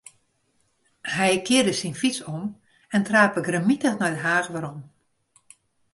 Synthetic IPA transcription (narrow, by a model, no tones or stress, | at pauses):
hɛjkɪːrdəsinfit͡sɔm | ɛntraːpəɡrəmitəxnajdəɦaːxʋaɾɔm